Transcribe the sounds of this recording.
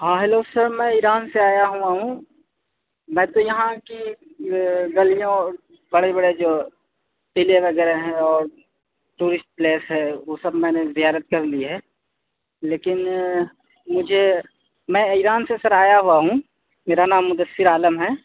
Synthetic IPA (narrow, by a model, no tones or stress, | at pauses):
ɦãːɦɛloːsəɾmɛ̃iɾaːnseaːjaɦuaɦũ | mɛ̃ːt̪ojɐɦãki | ɡɐlijõ | bɐɽebɐɽed͡ʒoː | ʈɪleʋɐɡɛːɾeɦɛ̃ɔːɾ | ʈuːɾɪsʈ̚pleːsɦɛʋoːsɐbmɛ̃ːnezijaːɾət̪̚kɐɾliɦɛː | leːkɪn | mʊd͡ʒʱe | mɛ̃iɾaːnsesəɾaːjaɦuaɦũ | meːɾanaːmːʊd̪əsːɪɾaːləmɦɛː